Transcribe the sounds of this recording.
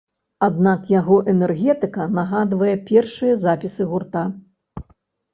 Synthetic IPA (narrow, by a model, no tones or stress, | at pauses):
ad̪̚nakjaɣɔʔɛnɛrɣʲɛt̪ɨkɐnɐɣad̪vɐjɛpʲɛrʂɨjɐzapʲisɨɣurt̪a